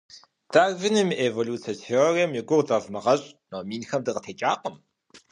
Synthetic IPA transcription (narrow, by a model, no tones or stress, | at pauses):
d̥aːrvɨnɨmʔevoluːt͡sʰɐt͡sʰioreːmjɪɡʷʊrd͡zɐvmɐʁɐɕʼnomiːnxɐmdɨʁətʰeːt͡ʃʼaːqəm